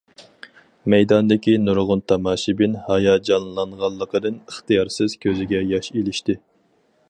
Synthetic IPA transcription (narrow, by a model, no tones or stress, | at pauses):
mɛjd̪ɑnd̪ɪkʲinuɾʁʊnt̪ʰɑmɑːʃibɪnhɑjɑːd͡ʒɑnlˠɑnʁɑlˠːəqəd̪ɨnəχt̪ɨjɑɾsɨz̥kʲʰøzɪɡʲɛjɑʃelɪʃt̪ɪ